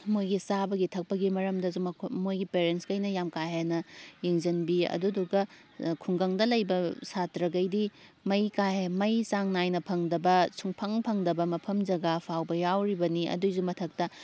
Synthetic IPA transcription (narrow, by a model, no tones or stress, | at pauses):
mojɡisabɐɡitʰɐk̚pɐɡimɐɾɐmdɐzumɐmojɡipeɾenskɐjnɐjamkajɦenɐjeŋzɐnbiɐ̰duduɡɐ | kʰuŋɡɐŋdɐlɐjbɐsatɾɐɡɐjdimɐjkajemɐjsaŋnajnɐpʰɐŋdɐbɐsʰuŋpʰɐŋpʰɐŋdɐbɐmɐpʰɐmd͡ʒɐɡapʰawbɐjawɾibɐniɐ̰duzumɐtʰɐk̚tɐ